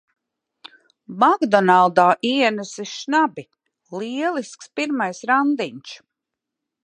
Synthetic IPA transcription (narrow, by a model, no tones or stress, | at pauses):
maɡd̪ɔnalˠd̪aːʔiɛnɛsiʃnabi | liɛlˠiskspiɾmajsɾand̪iɲt͡ʃ